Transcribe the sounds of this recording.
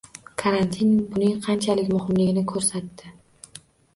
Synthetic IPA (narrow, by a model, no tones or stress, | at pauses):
kʰaɾant̪ʰinbʊnɪŋqʰɑnt͡ʃʰalɪkʲmʊhɪmlɪɡʲɪnɪkʰɵɾsat̪ːɪ